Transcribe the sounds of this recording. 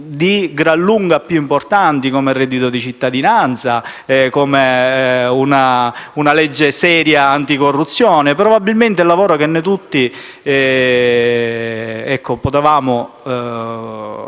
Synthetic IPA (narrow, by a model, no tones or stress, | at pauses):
d̪iɡɾalːuŋɡapːjuimport̪ant̪ikomerːɛd̪it̪od̪it͡ʃit̪ːad̪inant̪sa | kome | unaunalɛd͡ʒːesɛːɾjaant̪ikorːut̪sːjoːnepɾobabːilment̪elːavoːɾokenːet̪̬ut̪ːi | ɛ | ɛkʰːopot̪evaːmo